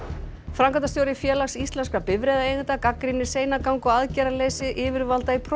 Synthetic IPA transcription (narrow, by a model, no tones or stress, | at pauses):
fɾawŋkant̪ast̪joːwɾɪfjɛːlaksist̪lɛnskapɪvɾɛːðaejɣɪnt̪akakɾinːɪ̥seːjnakawŋkɔaðcɛːɾalejsɪʔɪːvɪɾvalt̪aipʰɾ